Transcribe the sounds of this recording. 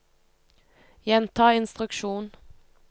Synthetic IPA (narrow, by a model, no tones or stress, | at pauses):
jɛnt̪ʰɑːɪnst̪ʁʉkʃuːn